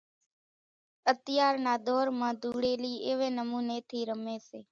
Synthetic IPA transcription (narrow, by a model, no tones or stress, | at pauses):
ət̪ɪjaːɾnaːd̪ʱoːɾmãːd̪ʱuːɽeːliːeːʋeːnəmuːneːt̪ʰiːɾəmeːseː